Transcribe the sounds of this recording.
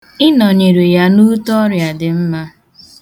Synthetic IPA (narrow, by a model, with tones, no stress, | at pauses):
ɪ˦nɔ˨ɲe˨ɾe˨ja˦nu˦tɔ˦ɾja˨dɪ˨m̩˦ma˦